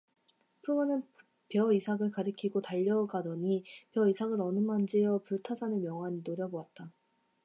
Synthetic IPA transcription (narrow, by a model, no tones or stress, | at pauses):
pʰuɭmanɯn | pjʌisʰaɡɯɭkaɾɯkʰiɡotaʎːʌɯɡadʌɲipjʌisʰaɡɯɾʌnɯmand͡ʑiʌpuɭtʰasʰanɯnmjʌŋɦwaɲinoɾjʌbowat̚t͈a